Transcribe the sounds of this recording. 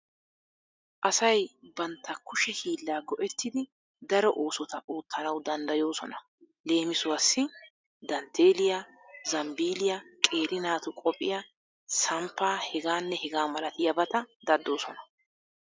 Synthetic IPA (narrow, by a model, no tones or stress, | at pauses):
ʔɐsɐjbɐnt̪ːɐkʊʃɛhiːlːaːɡɔʔɛt̪ːɪd̪ɪ | d̪ɐɾɔʔoːsɔt̪ɐʔoːt̪ːɐnɐwd̪ɐnd̪ɐjo̞ːsɔnɐ | le̞ːmɪsʊwɐsːɪ | d̪ɐnt̪ʰe̞ːlɪja | zɐmbiːlɪjakʼe̞ːɾɪnaːt̪ʊkʼɔpʼːɪja | sɐmpːaːhɛɡaːnːɛhɛɡaːmɐlɐt̪ɪjɐbɐt̪ɐd̪ɐd̪ːo̞ːsɔnɐ